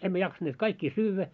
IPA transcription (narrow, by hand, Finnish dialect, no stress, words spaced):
emːæ jɑksɑnːeːt kɑikːiː syːʋːæ